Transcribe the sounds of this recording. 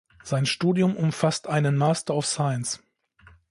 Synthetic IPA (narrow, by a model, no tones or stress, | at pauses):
z̥aɪnʃtuːdjʊmʔʊmfastʔaɪnənmaːstɐaʊfsaɪəns